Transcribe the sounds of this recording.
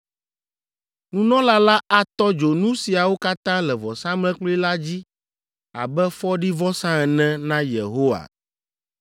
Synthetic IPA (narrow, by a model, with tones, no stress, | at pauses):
nũ˦nɔ̃˦la˦la˦ʔa˦t̪ɔ˦d͡ʒo˨nũ˦si˨a˨wo˦ka˦t̪ã˦lɛ˨vɔ˨sã˦mlɛ̃˦k͡plo˦i˦la˦d͡ʑi˦ | a̰˨bɛ˦fɔ˦ɖi˦vɔ˦sã˦ɛ˨nɛ̃˦nã˦jḛ˨ɦo˦wa̰˨